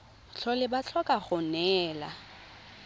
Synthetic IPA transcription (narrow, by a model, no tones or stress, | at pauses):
t͡ɬʰɔlɪbat͡ɬʰɔkʼaχʊnɛːla